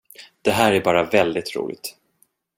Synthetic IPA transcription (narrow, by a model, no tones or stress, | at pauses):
d̪̥ɛɦæːɾæbɑːɾavɛld̪ɪt̪ɾṵːlʔɪ̰t̪